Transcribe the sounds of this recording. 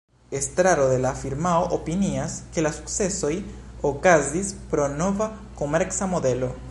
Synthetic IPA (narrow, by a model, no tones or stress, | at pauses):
est̪ɾaɾoðelafiɾmaoʔopiniaskelasu̥ksesoj | okazdispɾonoβa | komeɾksamoðelo